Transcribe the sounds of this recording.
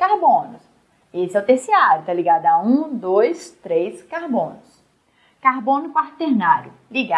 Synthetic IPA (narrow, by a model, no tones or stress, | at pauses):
kaɾbõnʊs | esɪawt̪esiaɾjʊt̪aliɡad̪ʊaũd̪ojst̪ɾejskaɾbõnʊs | kaɾbõnʊkaɾt̪eɾnaɾjʊ | liɡa